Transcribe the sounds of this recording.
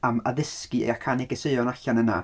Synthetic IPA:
ama̰ðɪskɨḛakʰanɪɡəsɨɨɔnaɬanəna̰

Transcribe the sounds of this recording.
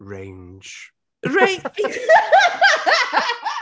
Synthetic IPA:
ɹḛ̃ɪ̃nd͡ʒ | ɹẽɪ̃nd͡ʒi

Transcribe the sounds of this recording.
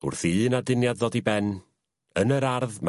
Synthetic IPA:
ʊ̰rθiːnadɪnjadðɔdibɛn | ənəɾarðm

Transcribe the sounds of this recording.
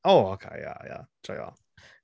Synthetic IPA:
oʊoʊkʰḛɪja̰ja̰t͡ʃojɑ̰

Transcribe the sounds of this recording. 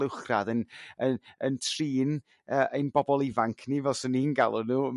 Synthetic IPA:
ɪwχra̰ðənəəntʰriːn | əːʔejnbɔbɔlˠɪvaŋkʰnivɛlˠsɔninɡa̰lˠʊnuː

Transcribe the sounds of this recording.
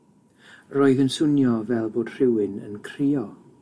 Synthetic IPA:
roːɨðənsʊnjɔvɛlˠboːd̥r̥ɪwɪnə̰nkʰriːɔ

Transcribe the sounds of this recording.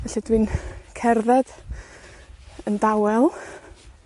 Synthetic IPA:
ɛɬadwinkʰɛrðad̥ | əndawɛlˠ

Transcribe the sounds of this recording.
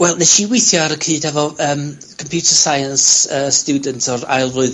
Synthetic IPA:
wɛlˠneʃiwɪjθjɔaɾəkʰiːd̥hɛvɔəːm | kʰɔmpʰjutʰərsajənsəːstudəntʰɔra̰jlˠrʊɨð

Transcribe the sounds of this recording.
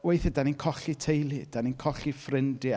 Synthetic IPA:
wejθədaninkʰɔɬitʰejlˠid̥aninkʰɔɬifrɪndi

